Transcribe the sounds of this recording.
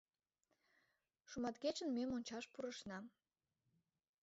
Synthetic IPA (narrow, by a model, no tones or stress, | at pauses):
ʃumɑt̪ɡet͡ɕənmemonʲt͡ɕɑʃpuɾəʃnɑm